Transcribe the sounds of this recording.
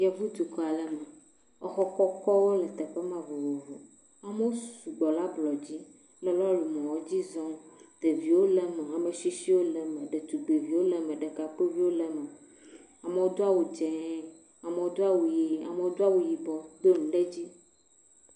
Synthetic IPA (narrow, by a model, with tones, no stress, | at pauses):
jɛ˦vu˦t̪u˨kɔ˨a˨lɛ˨mɛ˨ | ɔ˦xɔ˦kɔ˦kɔ˦wo˦lɛ˨t̪ɛ˨ɸe˦mã˦vo˨wo˨vu˨ | a˨me˦wo˦su˨ɡ͡bɔ˨la˦blɔ˨d͡ʑi˦ | lɛ˦lɔ˦lu˨mɔ̃˨wɔ˦d͡ʑi˦zɔ̃˦d̪̥e˨vi˨wo˦lɛ˨me˨a˨me˨ʃi˦si˦wo˦lɛ˨me˨ɖe˨t̪u˨ɡ͡be˨vi˨wo˦le˨mẽ˨ɖe˨ka˨k͡pe˦vi˦wo˦lɛ˨mɛ˨ | a˨me˨wo˦d̪o˦a˦wu˨d͡ʒɛ˨˦ | a˨me˨wo˦d̪o˦a˦wu˨ji˨a̰˨me˦wo˦d̪o˦a˦wu˨ji˨bɔ˨d̪o˦nũ˨ɖe˦d͡ʑi˦